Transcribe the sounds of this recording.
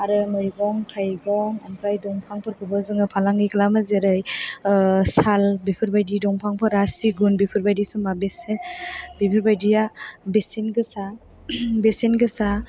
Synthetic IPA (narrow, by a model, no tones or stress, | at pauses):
aɾɯmɯjɡɔŋtʰajɡɔŋampʰajdɔŋpʰaŋpʰɯɾkʰɯbɯzɯŋɯpʰalaŋɡikʰalamɯzeɾɯj | salbipʰɯɾbajdidɔŋpʰaŋpʰɯɾasiɡunbipʰɯɾbajdisɯmbabesenbipʰɯɾbajdijabesenɡɯsa | besenɡɯsa